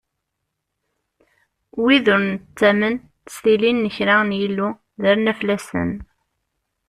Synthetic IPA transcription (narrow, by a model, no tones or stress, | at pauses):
wiðʊɾnt͡sːæmən | θə̥sθilinːəçɾæənjilːu | ðæɾnæflæsə̰n